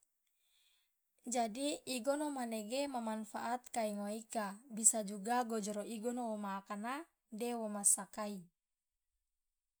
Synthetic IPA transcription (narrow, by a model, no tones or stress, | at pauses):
d͡ʒadiːɡɔnɔmanɛɡemamanfaʔat̪̚kaiŋoikabisad͡ʒuɡaɡɔd͡ʒɔɾɔʔiɡɔnowɔmaːkana | dɛwɔmasakai